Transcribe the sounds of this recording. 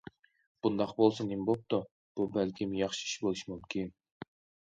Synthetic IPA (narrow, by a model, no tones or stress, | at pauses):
b̥und̪ɑqbolˠsunembop̚t̪ʊ | b̥ubælkʲimjɑχʃɨ̥iʃbolˠuʃmumkʲʰin